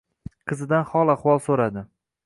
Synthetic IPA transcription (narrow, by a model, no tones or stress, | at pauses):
qʰɨzɪd̪anχɒlˠaχwɒlˠsoɾad̪ɪ